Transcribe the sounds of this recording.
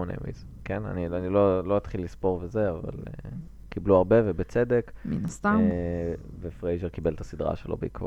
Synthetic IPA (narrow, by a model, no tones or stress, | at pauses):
onḛmḭz | kena̰nianilo̞lo̞it̪χilːispo̞ʁvezeava̰lḛ | kibluaʁbe̞vebet͡se̞d̪e̞kminast̪amvefʁejʒeʁkibelt̪asid̪ʁa̰ʃelo̞̰beikvo̰